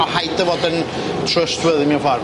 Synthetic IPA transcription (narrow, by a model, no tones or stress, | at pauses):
ɔhajdəvɔdən | tʰrəstʰwəðimiavar